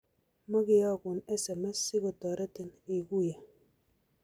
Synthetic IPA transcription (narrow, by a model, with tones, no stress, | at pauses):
ma˦kɪ˦ja˦˨kʊ˨nɛ˦sɛ˨ma˦sɪ˦kɔ˨tɔ˨ɾa˦tɪ˨ni˨ku˦ja˨